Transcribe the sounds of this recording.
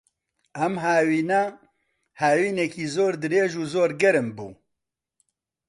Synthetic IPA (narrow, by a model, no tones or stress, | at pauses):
ɐmɦaːwiːna | haːwiːnɛkiːzoːɾd̪ɨɾeːʒuːzoːɾɡɛɾɨmbṵː